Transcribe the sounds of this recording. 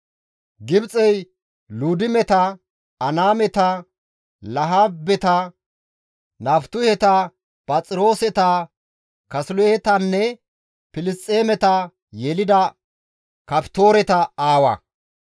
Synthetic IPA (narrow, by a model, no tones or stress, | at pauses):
ɡɪbt͡sʼɛj | luːd̪ɪmɛt̪ɐ | ɐnaːmɛt̪ɐ | lɐɦaːbːɛt̪ɐ | naːft̪ʊhɛt̪ɐ | pʼɐt͡sʼɪɾo̞ːsɛt̪ɐ | kɐslʊjɛt̪ɐnːɛ | pɪlɪst͡sʼːeːmɛt̪ɐ | jɛlɪd̪ɐ | kɐpt̪o̞ːɾɛt̪ɐaːwɐ̰